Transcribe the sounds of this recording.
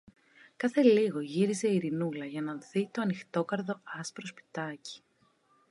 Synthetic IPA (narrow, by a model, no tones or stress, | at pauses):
kɐθe̞liɣo̞ʝiɾize̞iɾinulɐʝɐnɐθit̪o̞ɐnixt̪o̞kɐɾðo̞ɐspɾo̞spi̥t̪ɐci̥